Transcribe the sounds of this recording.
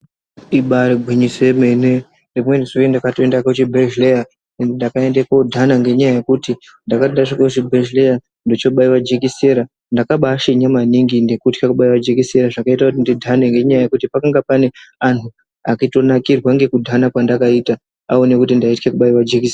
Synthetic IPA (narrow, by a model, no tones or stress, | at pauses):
iɓariɡʱwiɲisoemene | rimwe̞niʐoendakatoendakot͡ʃibʱeʒleja | ndakae̞ndekodʱanaŋɡe̞ɲajaje̞kuti | ndakaedaʐakot͡ʃibʱeʒleja | ndo̞t͡ʃo̞ɓaiwad͡ʒekise̞ɾa | ndakaɓaːʃeɲamaniŋɡinde̞kutkakuɓaiwad͡ʒekise̞ɾaʐakaitakutindidʱane̞ŋɡe̞ɲajaje̞kutipakaŋɡapane̞anʰu | akito̞nakirwaŋɡe̞kudʱanakwandakaita | aone̞kutindaitkekuɓaiwad͡ʒekisea